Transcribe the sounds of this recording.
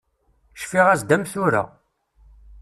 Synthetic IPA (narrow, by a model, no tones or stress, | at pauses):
ʃfiʁæzd̪æmθʊɾa̰